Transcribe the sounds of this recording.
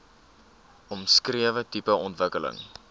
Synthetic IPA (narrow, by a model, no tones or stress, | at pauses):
ɔmskriəvətipəɔntvəkələ̰ŋ